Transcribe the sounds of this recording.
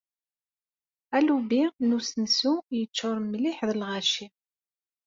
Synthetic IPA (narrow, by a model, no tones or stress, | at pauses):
ælubinusnsujət͡ʃːʊɾˤmːliħðəlʁæʃi